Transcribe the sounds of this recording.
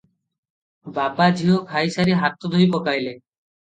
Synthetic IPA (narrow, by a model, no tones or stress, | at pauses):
babad͡ʑʱiɦokʰajsaɾiɦat̪ːod̪ʱoipɔkajle